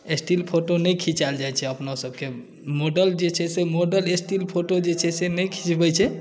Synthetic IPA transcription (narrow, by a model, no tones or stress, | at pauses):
esʈilpʰoʈonəjkʰĩt͡ʃald͡ʒajt͡ʃʰɛəpnosəb̚ke | moɖəld͡ʒet͡ʃʰɛsemoɖəlesʈilpʰoʈod͡ʒet͡ʃʰɛsenəjkʰĩt͡ʃbəjt͡ʃʰɛ